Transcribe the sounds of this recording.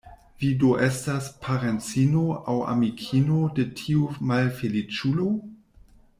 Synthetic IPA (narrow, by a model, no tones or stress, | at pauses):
vidoʔestaspʰaɾent͡sinoawa̰mikʰinodetʰiumalfelit͡ʃulo